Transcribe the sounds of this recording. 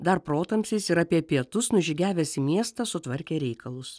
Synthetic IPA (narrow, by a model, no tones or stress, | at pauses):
d̪ɐɾpɾoːt̪ɐmʲsʲiːsɪɾɑːpʲiɛpʲiɛt̪ʊsnʊʒʲɪɡʲæːʋʲɛsʲɪmʲiɛst̪ɑsʊt̪ʋɐɾʲkʲeːɾʲɛɪkɐlˠʊs